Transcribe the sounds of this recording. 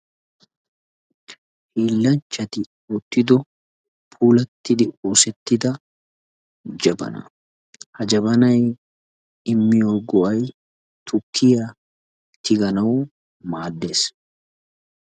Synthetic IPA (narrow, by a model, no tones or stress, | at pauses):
hiːlːɐnt͡ʃːɐt̪ɪ | ʊt̪ːɪd̪ɔ | pʰuːlɐt̪ːɪd̪ɪʔoːsɛt̪ːɪd̪ɐ | d͡ʒɐbɐ̰nɐ̰ | hɐd͡ʒɐbɐnɐj | ɪmːɪɔɡɔwɐj | t̪ʰʊkʰːɪja | t̪ʰɪɡɐnɐw | maːd̪ːe̞ːs